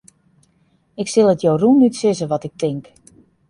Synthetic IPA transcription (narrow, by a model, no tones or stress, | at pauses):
ɪksɪlˠətjowrunytsɪzəʋɔtɪk̚tɪŋk